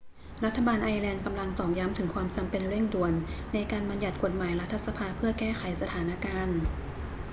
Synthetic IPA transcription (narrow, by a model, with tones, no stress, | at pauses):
ɾa˦˥t̪ʰːa˧baː˧nʔaː˧jlɛː˧nka˧mla˧ŋt̪ɔː˨˩k̚ja˦˥mt̪ʰɯ˩˦ŋkʰwaː˧mt͡ɕa˧mpe˧nɾe˥˩ŋdu˨˩ənːa˧jkaː˧nba˧nja˨˩t̪̚ko˨˩t̪̚maː˩˦jɾa˦˥t̪ʰːa˧˥sa˧pʰaː˧pʰɯ˥˩ɐkɛː˥˩xa˩˦jsa˧t̪ʰaː˩˦na˦˧˥kaː˧n